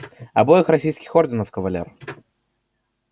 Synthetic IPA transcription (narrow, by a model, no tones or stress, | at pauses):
ɐbojɪxrɐsʲijskʲɪxordʲɪnəfkəvɐlʲḛr